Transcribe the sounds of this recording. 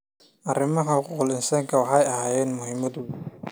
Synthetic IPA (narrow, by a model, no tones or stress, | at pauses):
ʔɐrɪmɐɦɐkʊqʊlɪnsɐŋkʰɐwɑħɑjɐɦaːjɛːnmʊhɪmɐd̪u